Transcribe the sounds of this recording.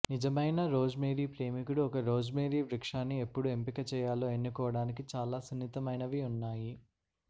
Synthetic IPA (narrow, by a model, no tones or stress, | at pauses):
nid͡ʒɐmɐjnɐɾoːd͡ʒmeːɾiːpɾeːmikuɽuɔkɐɾoːd͡ʒmeːɾiːʋɾikʂaːnːie̞pːuɽue̞mpikɐt͡ʃɛːjaːloːenːukɔːʋɐɽaːnikit͡ʃaːlaːsunːit̪ɐmɐjnɐʋiunːaːji